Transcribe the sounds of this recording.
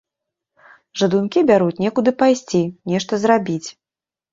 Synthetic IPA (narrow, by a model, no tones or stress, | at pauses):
ʐɐd̪unkʲibʲaɾut͡sʲnʲɛkud̪ɨpajsʲt͡sʲinʲɛʂt̪ɐzrabʲit͡sʲ